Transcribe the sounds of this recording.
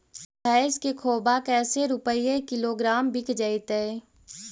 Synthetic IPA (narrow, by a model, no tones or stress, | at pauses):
aːɪskekʰoːbakɛːseɾʊpəijekɪloːɡɾaːmbʱɪkʰd͡ʒəit̪e